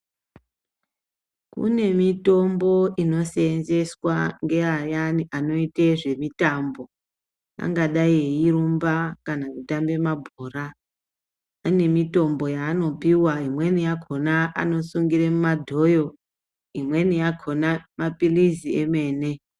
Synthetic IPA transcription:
kṵne̞mito̞mbo̞ino̞seːnze̞swaŋɡe̞ajaniʔano̞iteʐe̞mitaːmbo̞ | a̰ŋɡaɗaieiɾumbakanakutambe̞mabʱoːra | ne̞mito̞mbo̞jaːno̞piwaimwe̞nijakʰo̞naʔa̰no̞suŋɡiɾemumadʱo̞jo̞ | imwe̞nijakʰo̞namapilizieme̞ːne̞

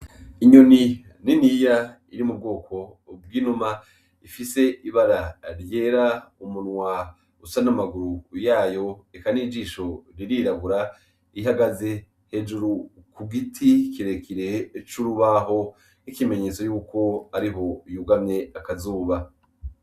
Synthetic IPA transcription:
iɲoni | ninija | iɾimub̚ɡo̞ːkʰo̞ | b̚ɡiːnuma | ifise̞ʔiβaɾaɾje̞ːɾaumunŋwa | usanamaɡuɾujaːjo̞ekaniɡiːʃo̞ɾiɾiɾaβuɾa | iɦaɡaze̞ | he̞d͡ʒuɾukuɡitʰikiɾe̞kʰiɾe̞t͡ʃuɾuβaɦo̞ | ikime̞ɲe̞ːt͡so̞juːko̞aɾiɦo̞juɡamɲe̞akazuːβa

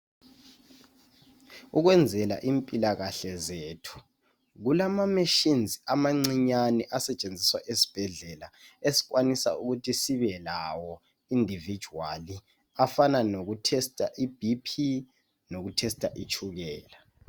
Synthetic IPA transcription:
uɣwɛnd͡zʱɛla̰ʔimpʼilaɣaɬɛzetʰu̥ | ɣulamameʃinzʱiamaŋ͡ǀiɲanɛʔasɛt͡ʃʼend͡zʱiswa̰ʔesi̥b̥ʱɛɮɛlaesi̥ɣwanisa̰uɣutʰisiβɛlawɔ | indʱivi̥d͡ʒʱuwali | afananoɣutʰɛstʼa̰ʔib̥ʱipʰi | noɣutʰɛstʼaʔit͡ʃʰʼuɣɛːla

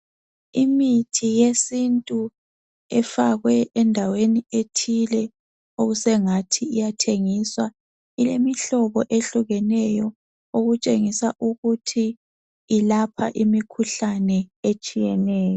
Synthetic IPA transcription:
imitʰijesintʼu | ɛfaɣwɛʔɛndʱawenietʰilɛ | oɣusɛŋatʰiijatʰeŋiswa | ilemiɬɔβɔʔeɬuɣɛnɛjɔ | oɣut͡ʃʼeŋisaʔuɣutʰiː | lapʰa̰ʔimikʰuɬanɛet͡ʃʼijɛnɛːjɔ

